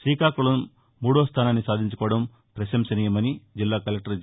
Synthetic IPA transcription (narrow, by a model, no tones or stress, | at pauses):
siːkaːkuɭɐ | muːɽoːst̪ʰaːnaːnːisaːd̪ʱiɲt͡ʃukɔːʋɐɽɐm | pɾɐʃɐmsɐniːjɐmɐnid͡ʒilːaːkɐlɐk̚ʈɐɾ